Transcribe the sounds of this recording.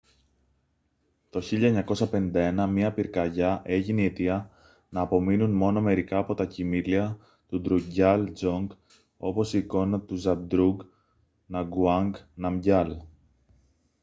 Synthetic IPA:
t̪o̞çiʎɐeɲɐko̞sɐpe̞nind̪ɐe̞nɐmɲɐpiɾkɐʝɐʔe̞ʝinie̞t̪iɐ | nɐːpo̞minunmo̞no̞me̞ɾikɐːpo̞t̪ɐcimiliɐ | t̪ud̪ɾuɟɐld͡zo̞ŋɡ | o̞̰po̞siːko̞nɐt̪uzɐb̚d̪ɾuɡ | nɐɡuɐŋɡnɐmɟɐl

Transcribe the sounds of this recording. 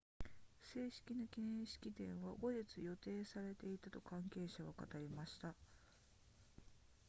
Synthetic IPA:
se̞ːɕi̥kʲinakʲinẽɰ̃ɕi̥kʲit̪ẽ̞ɰ̃βaɡo̞ʑit͡sɨjo̞t̪e̞ːsaɾe̞t̪e̞it̪at̪o̞kãŋke̞ːɕaɡaka̰t̪aɾʲimaɕi̥t̪a

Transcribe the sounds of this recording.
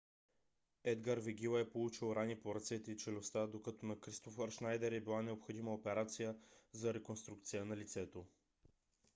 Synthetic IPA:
ɛd̪ɡaɾvɛɡʲilˠɐɛpolˠut͡ʃilˠɾanʲipoɾɐt̪sɛt̪ɛit͡ʃɛlʲost̪ad̪okat̪onɐkɾist̪ofɐɾʃnajd̪ɛɾɛbilˠanɛopxod̪iməopɛɾat̪sijəzɐɾɛkonst̪ɾuk̚t̪sijənɐlit̪sɛt̪o

